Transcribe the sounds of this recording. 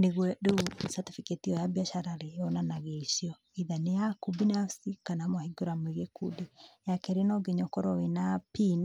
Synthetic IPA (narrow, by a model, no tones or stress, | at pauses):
neɣwɛdeusatofiketiɔjabiaʃaɾaɾeɔnanaɣesiɔ | iðanejakubinasikanamwahiɡoɾamweɣekudejakɛɾenɔɡeɲɔkɔɾɔwenapin